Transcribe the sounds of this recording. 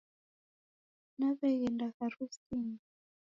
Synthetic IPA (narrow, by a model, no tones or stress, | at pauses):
naβɛɣɛndaɣaɾusini